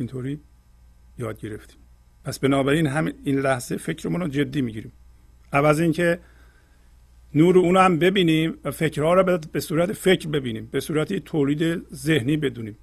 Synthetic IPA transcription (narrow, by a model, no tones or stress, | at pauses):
int̪ʰoːɾiː | jɒːd̪̚ɟe̞ɾeft̪i̥ːm | pʰæsbenɒːbæɾiːnɦæmiiːnlæhzefecʰɾemuːnɔd͡ʒe̞d̪ːiːmiːɟiːɾiːm | ʔævæzincʰe | nuːɾeuːnæmbe̞biːniːmæfe̞cʰɾhɒːɾɒːbesuːɾæt̪ʰefe̞cʰɾbe̞biːniːmbe̞suːɾæt̪ʰit̪ʰoːliːd̪eze̞hniːbe̞d̪uːniːm